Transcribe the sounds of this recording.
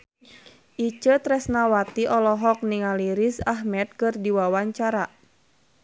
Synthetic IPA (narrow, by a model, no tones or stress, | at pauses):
ʔit͡ʃət̪ɾɛsnawat̪iʔɔlɔɦɔk̚niŋaliɾisaɦmɛt̪̚kɨrdiwawaɲt͡ʃaɾa